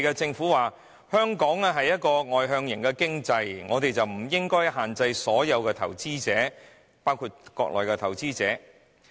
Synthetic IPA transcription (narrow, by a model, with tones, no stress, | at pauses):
kɛː˧t͡sɪ˧ŋfuː˨˥waː˨ | hœː˥ŋkɔː˨˥ŋɛ˧ɦɐ˨jɐ˥t̚kɔː˧ŋɔː˨jɦœː˧ŋjɪ˨˩ŋkɛː˧kɪ˥ŋt͡sɐ˧jŋɔː˨˧t̪e˨jt͡sɐ˨wm̩˨˩jɪ˥ŋkɔː˥jɦaː˨˩nt͡sɐ˧jsɔː˨˥jɐ˨˧wkɛː˧t̪ʰɐ̰˨˩wt͡siː˥t͡sɛː˨˥ | paː˥wkʰuː˧t̚kɔː˧k̚lɔː˨jkɛ˧t̪ʰɐ˨˩wt͡siː˥t͡sɛː˨˥